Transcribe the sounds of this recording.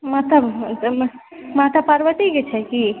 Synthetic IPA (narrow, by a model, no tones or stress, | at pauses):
mat̪ʰəb | mat̪ʰapəɾʋət̪iket͡ʃʰɛki